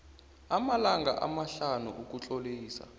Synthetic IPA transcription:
amalaŋɡa̰ʔa̰maɬanṵʔuk̬ʼut͡ɬʼoliːsa̰

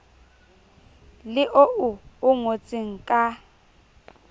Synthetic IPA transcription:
lɪʔoʔʊʊŋot͡sʼɪŋ̩kʼa

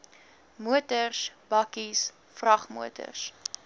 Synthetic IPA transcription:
muətərsbɐkis | frɐχmṵətə̰rs

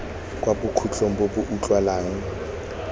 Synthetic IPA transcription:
kʼwabʊkʰut͡ɬʰʼoŋ̩bobʊʔut͡ɬʼwalaːŋ̩

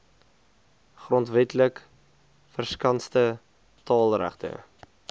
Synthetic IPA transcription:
χrɔntvɛtlək | fərskɐnstə | tɑːlˠræ̰χtə̰

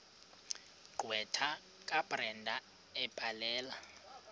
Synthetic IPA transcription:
ɡ͡ǃʱwɛtʰa | kʼabʼrɛndʱa | ɛb̥ʱʼalɛːla

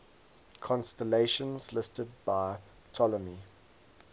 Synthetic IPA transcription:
kʰɔ̃nstəleɪʃə̃nzlɪstəd̚baɪ | tʰɔləni

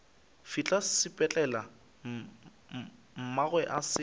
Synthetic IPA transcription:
fit͡ɬʼassɪpʼɛt͡ɬʼɛla | m̩maɣwɛʔasɪ

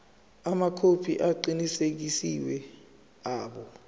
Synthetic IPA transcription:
amakʰopʰḭʔaǃinisek̬isiwɛ | aːɓɔ

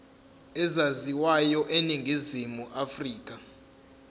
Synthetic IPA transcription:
ɛzaziwajɔʔeniŋɡʱizimuʔafriːkʼa

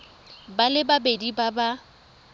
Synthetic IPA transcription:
balɪbabedibaba

